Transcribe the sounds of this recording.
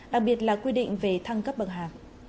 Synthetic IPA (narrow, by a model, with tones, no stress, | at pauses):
ɗa˨˩k̚ɓi˨˩ət̬̚laː˨˩kwi˧ɗḭ˧˨ŋ̟ve˨˩t̪ʰa˧ŋkə˦˥p̚ɓə˨˩t̚ɦaː˨˩k̚